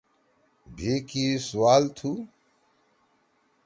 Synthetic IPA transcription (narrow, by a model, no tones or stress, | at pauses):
bʱiːkiːsuwaːlt̪ʰuː